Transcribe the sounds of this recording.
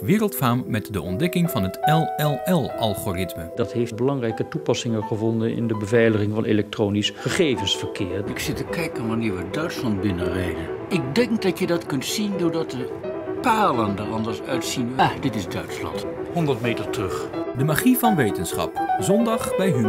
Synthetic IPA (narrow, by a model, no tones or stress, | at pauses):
ʋɪːrəlˠtfaːmmɛtdəʔɔndɛkɪŋvɑnɦətɛlˠɛlˠɛlˠʔɑlˠχoːrɪtməd̥ɑtɦejfbəlɑŋrɛjkətupɑsɪŋəχəvɔndənɪ̰ndəbəvɛjləχɪŋvɑnelɛk̚troːnisχəχejvənsfəɹkɪːɹɪksɪtəkɛjkənʋanɪːɹʋədœɥtslɑnt̚bɪnərejdən | ɪk̚dɛŋk̚dɑtjədɑtkɵntsindʊːɹdɑt̚də | paːləndəɹɑndəɹsœɥtsinʋdɪtɪzdœ̰ɥtslɑ̰nt | hɔndəɹtmejtəɹtrɵχdəmaχivɑnʋejtənsχɑ̰pzɔndɑχbɛjɦy